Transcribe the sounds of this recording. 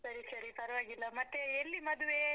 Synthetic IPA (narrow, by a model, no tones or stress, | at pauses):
sɐɾisɐɾipɐɾɐʋaːɡilːɐmɐt̪ːeelːimɐd̪uʋe